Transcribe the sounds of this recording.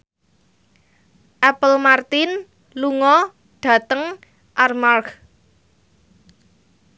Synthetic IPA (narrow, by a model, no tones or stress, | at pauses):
ʔɛpəlmart̪ɪn | luŋɔ | ɖ̥ä̤t̪əŋ | ʔarmark